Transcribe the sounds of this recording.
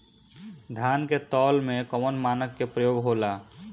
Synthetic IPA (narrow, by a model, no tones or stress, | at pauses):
d̪ʱjaːnket̪ɔːlmẽkɔmənmaːnəkːepɾəjoːɡɦoːlaː